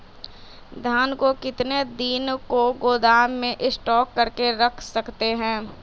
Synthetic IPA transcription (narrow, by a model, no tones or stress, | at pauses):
d̪ʱjaːnkokɪt̪ned̪iːnkoɡoːd̪aːmmẽʔɪsʈɔːkːɐɾkeɾɐkʰsɐkt̪eɦɛ̃ː